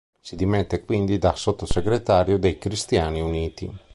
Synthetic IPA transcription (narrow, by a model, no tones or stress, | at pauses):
sid̪imɛt̪ːekwind̪id̪asot̪ːoseɡɾet̪aːɾjod̪ejkɾist̪jaːniuniːt̪ḭ